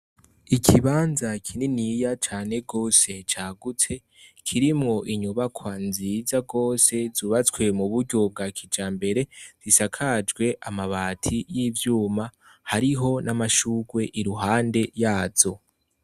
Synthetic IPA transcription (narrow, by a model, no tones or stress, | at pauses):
ikʰiβaːnzakʰininijat͡ʃaːne̞ɡo̞ːse̞t͡ʃaːɡut͡se̞ | kʰiɾimŋo̞ʔiɲuβakʰwanzizaɡo̞ːse̞zuːβat͡skwe̞muβuɾɟo̞b̚ɡakʰid͡ʒaːmbe̞ɾe̞z̥isakʰad͡ʒɡwe̞ʔamaβaːtʰijiːvjuːma | haɾiɦo̞namaʃuːɡwe̞ʔiɾuɦaːnde̞jaːz̥o̞